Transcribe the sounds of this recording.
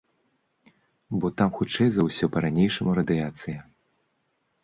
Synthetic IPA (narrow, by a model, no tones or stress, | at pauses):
bɔt̪amxut͡ʂɛjzɐwsʲɔpɐɾanʲejʂɐmuɾɐd̪ɨjat̪sɨjɛ